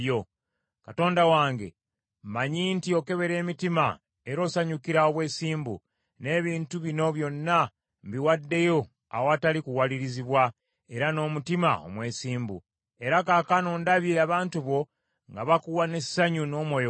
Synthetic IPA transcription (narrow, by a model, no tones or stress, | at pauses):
jo | kato̞ːndawaːŋɡe̞̰ | mmaɲiːntio̞ke̞βe̞ɾe̞ːmitima̰ | e̞ɾo̞saɲukiɾaoβwe̞ːsiːmbṵ | ne̞ːβiːntuβino̞βjo̞nːa | mbiwadːe̞jo̞ | a̰woatalikuwaliɾiziβwa | e̞ɾano̞ːmutima̰o̞̰mwe̞ːsiːmbṵ | e̞ɾakaːkanoːndaβjeaβaːntuβo̞ | ŋɡaβakuwane̞ssaɲuno̞ːmwo̞jo